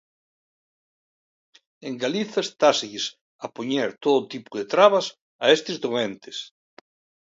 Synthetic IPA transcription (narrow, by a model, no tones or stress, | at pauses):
eŋɡaliθɐest̪aseʎes | ɐpoɲeɾt̪oðʊt̪ipuðet̪ɾaβɐs | ɐest̪ɪzðoent̪e̥s